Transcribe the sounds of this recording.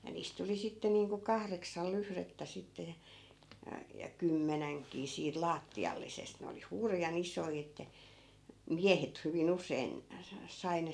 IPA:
jɑ niːst tuli sitːe niːŋku kɑhreksɑl lyhretːæ sitːe jɑ jɑ jɑ kymːænæŋkiː siːt lɑːtːiɑlːisest ne oli hurjɑn isoi etːæ miæhet hyʋin usein sɑ sɑi ne

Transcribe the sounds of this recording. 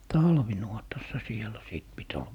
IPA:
tɑlʋinuotɑsːɑ sielæ siˑt pit ol

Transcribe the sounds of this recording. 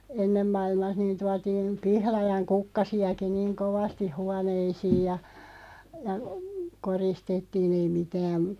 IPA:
enːem mɑilmɑh niːn tuɑtiːn pihlɑjɑŋ kukːɑsiɑki niːŋ koʋɑstih̆ huɑneisiːj jɑ jɑ koristetːiːn̞ ei mitæːn̞

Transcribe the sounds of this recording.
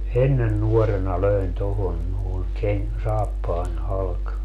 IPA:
enːen nuɔrenɑ løin tohon noˑeŋ keŋ sɑːpːɑːnʲ hɑlk

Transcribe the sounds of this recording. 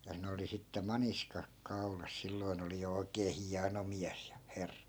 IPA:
jɑ ne oli sitːe mɑniskɑk kɑu̞lɑs silːoi̯n oli jo oikeː hiɑno miæs jɑ herːɑ

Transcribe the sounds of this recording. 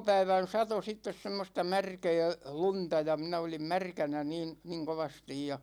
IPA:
pæiʋæn sɑto sitːes semːostɑ mærkɛː luntɑ jɑ minæ olim mærkænæ niːn niŋ koʋɑstij jɑ

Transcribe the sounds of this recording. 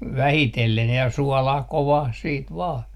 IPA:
ʋæhitelːen jɑ suɔlɑh koʋɑh siːt ʋɑː

